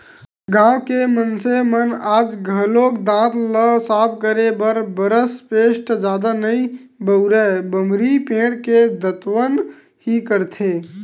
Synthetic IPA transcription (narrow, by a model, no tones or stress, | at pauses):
ɡãːwkemənsemənaːd͡ʒɡʱəloːkd̪ãːt̪ləsaːb̚ʰkəɾebəɾbəɾəspeːʃʈd͡ʒaːd̪anəĩ | bəʊɾɛbəmɾipẽːɽked̪ət̪wən | hikəɾt̪ʰeː